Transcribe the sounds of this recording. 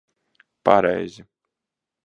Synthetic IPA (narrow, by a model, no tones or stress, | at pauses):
pa̰ɾɛ̰jzʲi